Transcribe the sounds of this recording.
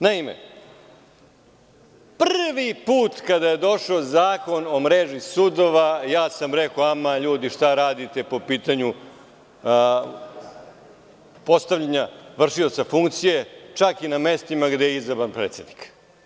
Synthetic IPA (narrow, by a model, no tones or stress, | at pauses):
naimḛ | prrʋipuːt̪kad̪aje̞d̪o̞ʂaːzaːko̞nomɾeʒisud̪o̞ʋajaːsamɾekoamaʎuːd̪iʂt̪aɾaːd̪it̪e̞po̞piːt̪aɲu | po̞st̪aʋʎaɲaʋr̩ʂio̞t̪safuŋkt̪sije̞t͡ʂakiname̞st̪imaɡd̪ejeizabɾanpɾeːt̪se̞d̪ni̥k